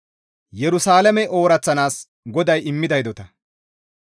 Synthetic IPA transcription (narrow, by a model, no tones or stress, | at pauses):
jɛɾʊsaːlɐmɛʔo̞ːɾɐt͡sːɐnaːs | ɡɔd̪ɐjɪmːɪd̪ɐjd̪ɔt̪ɐ